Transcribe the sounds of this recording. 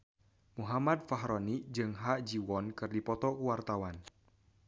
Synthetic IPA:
muɦamad̪̚faɦɾɔnid͡ʒɨŋɦaʔd͡ʒiwɔnkɨrdipɔt̪ɔkuwart̪awan

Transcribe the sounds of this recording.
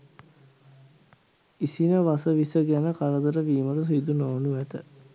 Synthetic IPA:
isinəʋasəʋisəɡænəkaɾəd̪əɾəʋiːməɾəs̬id̪unoːnuʋæt̪ə

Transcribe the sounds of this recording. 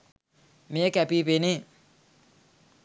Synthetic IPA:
mĩekɛpipenẽ

